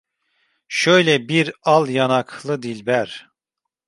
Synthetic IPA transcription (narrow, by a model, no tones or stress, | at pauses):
ʃøjlʲɛbiɾalˠjanakʰlˠɯd̪ilʲbæɾ̥